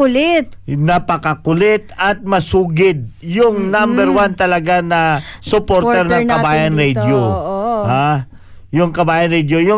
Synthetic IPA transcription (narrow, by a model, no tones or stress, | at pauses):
ʊlɛt̪̚nɐpɐkɐkʊlɛt̪ɐt̪̚mɐsuːɡɪd̪̚jʊŋnambɛɾwant̪ɐlɐɡanɐsʊpoɾt̪ɛɾnɐŋkɐbaːjɐnɾɛd̪joha | jʊŋkɐbaːjɐnɾɛd̪jojʊ